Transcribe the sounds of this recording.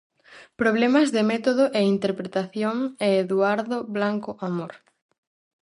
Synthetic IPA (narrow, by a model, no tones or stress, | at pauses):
pɾoβ̞lɛmazðemɛt̪oðoʔeint̪eɾpɾet̪aθjoŋeːðuaɾðoβlaŋkoʔamoɾ